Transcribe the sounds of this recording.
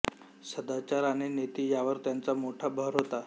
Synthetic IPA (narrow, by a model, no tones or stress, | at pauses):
səd̪at͡ɕaɾanenet̪iːjaʋəɾt̪jant͡samoʈʰabʱəɾɦot̪a